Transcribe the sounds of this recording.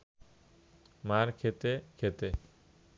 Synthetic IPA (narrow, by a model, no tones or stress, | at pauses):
maɾkʰet̪ekʰet̪e